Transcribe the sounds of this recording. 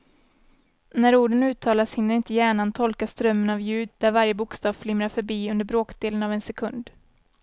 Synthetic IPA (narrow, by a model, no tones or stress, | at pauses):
næɾuːɖənʉ̟ːt̪ʰɑːlashɪnːəɾɪnt̪əjæːɳant̪ʰɔlkast̪ɾœmːənavjʉ̟ːd̪̚d̪æɾvaɾjəbʊkst̪ɑːvflʏmɾaɾfœɾbiːɵnd̪əɾbɾoːkd̪eːlənavɛnsɛkʰɵnd̪